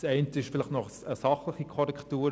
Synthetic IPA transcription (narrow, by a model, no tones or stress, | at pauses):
sɛɪntəɪʃfɪlɪχtnɔχəsɑχlɪχikʰɔɾɛktuːɾ